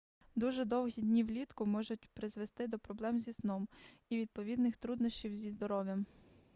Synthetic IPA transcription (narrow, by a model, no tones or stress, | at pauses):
d̪uʒɛd̪ɔwɦʲid̪ʲnʲiwlʲit̪kʊmɔʒʊt̚ʲpɾɪzʋest̪ɪd̪ɔpɾɔblˠɛmzʲisnɔmiʋʲid̪̚pɔʋʲid̪nɪxt̪ɾud̪nɔsʲt͡ʃʲiwzʲizd̪ɔɾɔʋʲjɐm